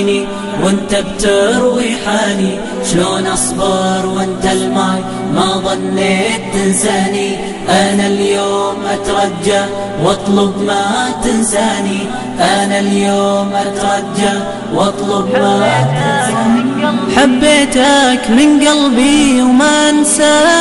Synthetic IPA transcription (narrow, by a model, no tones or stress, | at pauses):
ni | wɪnt̪ab̚t̪ɪɾwiħaːni | ʃloːnʔɑsbɑːɾˤwɪnt̪almaj | maʔðˤɑnːeːt̪̚ːɪnsaːni | ʔanaljoːmʔat̪ɾˤɑd͡ʒːaʕ | wʔɑt̪ˤlʊbmat̪ɪnsaːni | ʔanaljoːmʔat̪ɾˤɑd͡ʒːa | wʔɑt̪ˤlʊbmat̪a | ħabːeːt̪akmɪnɡalbiwmansaː